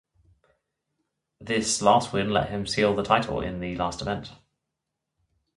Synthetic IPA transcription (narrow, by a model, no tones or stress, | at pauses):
ðɪslɑˑst̚wɪ̃nlɛ̰ʔhɪ̃msiːlˠðətʰaɪtʰˡə̰l̩ɪ̰̃nðəlɑˑstɪvɛ̃nt